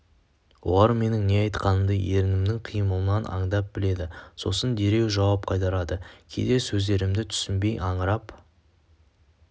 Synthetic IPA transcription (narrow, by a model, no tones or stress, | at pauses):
wo̞̰lˠɑɾme̞nɪŋne̞ɑjt̪qɑnəmd̪əje̞ɾɪnɪmnɪŋqʰijməlˠənɑnʔɑ̰ɴd̪ɑp̚b̥ɪle̞d̪ɪso̞̰sənd̪e̞ɾe̞wʒɑwɑp̚qʰɑjt̪ɑɾɑd̪əkʲʰejd̪e̞sɵzd̪e̞ɾɪmd̪ɪt̪ʰʏ̥sɪnbe̞jʔɑɴəɾɑp